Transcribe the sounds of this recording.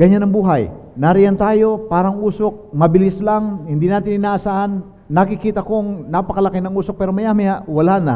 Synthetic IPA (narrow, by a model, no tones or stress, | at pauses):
ɡ̥ɐɲanɐŋbuːɦajnaɾɪjant̪aːjo̞paːɾɐŋʔuːsok̚mɐbɪlɪslaŋhɪnd̪inaːt̪ɪnɪnaːʔɐsaːʔanː | ɐkɪkiːt̪ɐko̞ŋnapɐkɐlɐkɪnɐŋuːsok̚pɛːɾomɐjaːmɐjawɐlaːnɐ̰